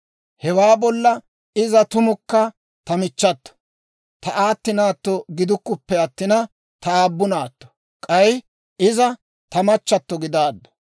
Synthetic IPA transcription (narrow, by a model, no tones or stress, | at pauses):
hɛwaːbɔlːɐ | ɪzɐt̪ʊmʊkːɐ | t̪ɐmɪt͡ʃːɐt̪ːɔ̥ | t̪ɐʔaːt̪ːɪnaːt̪ːɔɡɪd̪ʊkːʊpːɛɐt̪ːɪnɐ | t̪ɐaːbːʊnaːt̪ːɔ̥ | kʼɐj | ɪzɐ | t̪ɐmɐt͡ʃːɐt̪ːɔɡɪd̪aːd̪ːɔ̥